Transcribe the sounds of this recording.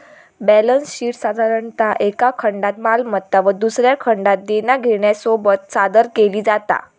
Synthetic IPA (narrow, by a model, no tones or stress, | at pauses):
bælənsɕiːʈsad̪ʱaɾəɳt̪aʔekakʰəɳɖat̪̚malmət̪ːaʋəd̪usɾjakʰəɳɖat̪̚d̪enaɡʱeɳjasobət̪̚sad̪əɾkeliːd͡zat̪a̰